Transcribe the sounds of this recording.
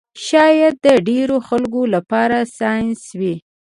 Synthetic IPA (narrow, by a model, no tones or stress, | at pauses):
ʃɑjad̪̚ːəɖeɾoxalkolapɑɾasɑjnswi